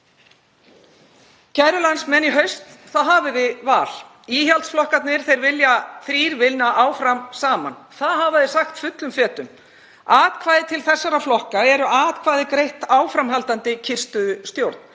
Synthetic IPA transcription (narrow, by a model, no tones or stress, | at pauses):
cʰajɾʏlansmɛnːiɦœɥst̪θaðɦaːvɪðɪvaːl̥ | iːçalt̪sflɔhkat̪nɪɾ̥θejɾvɪljaθɾiːɾvɪlnaʔaːwfɾamsaːma̰nθaðɦaːvaðɪsaxt̪fʏt̪lʏmfɛːt̪ʏm | aːt̪kʰvaːjðɪt̪ʰɪlθɛsːaɾaflɔhkaɛɾʏaːt̪kʰvaːðɪkɾejht̪aːwfɾamɦalt̪ant̪ɪcʰɪr̥st̪ʏðʏst̪jowɾt̪̚n̥